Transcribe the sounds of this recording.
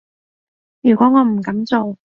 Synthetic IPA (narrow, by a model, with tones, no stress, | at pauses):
jyː˨˩kʷɔː˨˥ŋɔː˨˧m̩˨˩kɐ˨˥mt͡so˨w